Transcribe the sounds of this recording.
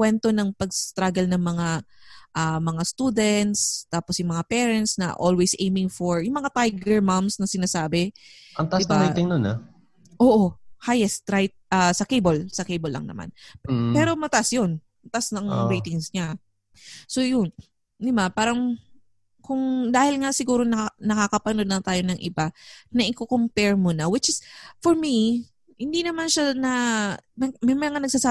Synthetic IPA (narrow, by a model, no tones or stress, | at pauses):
kwɛnt̪o̞nɐŋpɐɡ̚st̪ɾaɡɐlnɐŋmɐŋaʔɐmɐŋast̪ud̪ɛnt̪st̪aːposjʊŋmɐŋapɛːɾɛnt̪snɐ̰ʔo̰lwejsʔejmɪŋfoɹjʊŋmɐŋat̪ajɡɛɹmamsnɐsɪnaːsaːbɛ | ʔɐŋt̪ɐʔasaɾit̪ɪŋnona | ʔoːʔohajɛst̪ɾajt̪̚ʔɐsɐkejbolsɐkejbolːɐ̰ŋnɐ̰ma̰npɛːɾo̞mɐt̪aʔasjo̞n | mɐt̪ɐʔsɐŋɾiːt̪ɪŋsɲa | so̞jʊn | d̪ɪbapaːɾɐŋ | kʊŋd̪aːhɪlŋasɪɡuːɾo̞nɐnɐkakɐpɐno̞d̪nɐt̪aːjo̞nɐŋʔɪ̰banɐʔɪkokompɛɹmonɐwɪt͡ʃɪsfoɹmi | hɪnd̪inɐmanʃanɐnɐmɛmɐjɐŋɐnɐɡ̚sɐsaː